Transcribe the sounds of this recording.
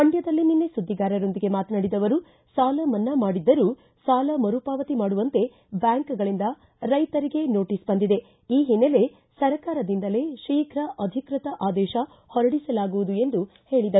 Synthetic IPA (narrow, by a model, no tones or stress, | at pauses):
pɐɳɖjɐd̪ɐlːininːe̞sud̪ʱːiɡaːɾɐɾo̞nd̪iɡe̞maːt̪ɐnaːɽid̪ɐʋɐɾu | saːlɐmɐnːɐmaːɽid̪ːɐɾuː | saːlɐmɐɾupaːʋɐt̪imaːɽuʋɐnt̪e̞ | bjaːŋkɡɐɭind̪ɐ | ɾɐjt̪ɐɾiɡe̞no̞ːʈiːsbɐnd̪id̪e̞ | iːɦinele̞ | sɐɾɐkaːɾɐd̪ind̪ɐle̞ʃiːkʰɾɐʔɐd̪ʱikɾit̪ɐʔaːd̪ɛːʃɐ | hɔɾɐɽisɐlaːɡuʋud̪ue̞nd̪u | he̞ːɭid̪ɐɾu